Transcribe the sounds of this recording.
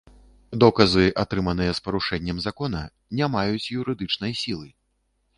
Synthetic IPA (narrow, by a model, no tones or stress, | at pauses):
d̪ɔkɐzɨʔat̪ɾɨmɐn̪ɨjɛspɐɾuʂɛnʲːɐmzakɔnɐ | nʲamajut͡sʲjuɾɨd̪ɨt͡ʂnɐjsʲilˠɨ